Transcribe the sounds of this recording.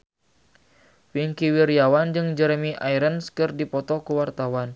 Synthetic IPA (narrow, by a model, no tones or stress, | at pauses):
wiŋkiwiɾijawand͡ʒɨŋd͡ʒɛɾmiʔaiɾənskɨrdipɔt̪ɔkuwart̪awan